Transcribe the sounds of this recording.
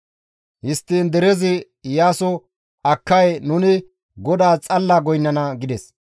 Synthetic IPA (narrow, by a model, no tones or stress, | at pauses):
hɪst̪ːiːnd̪ɛɾɛzɪ | jaːsɔ | ɐkːɐjnʊnɪ | ɡɔd̪aːt͡sʼɐlːaːɡɔjnːɐnɐɡɪd̪ɛs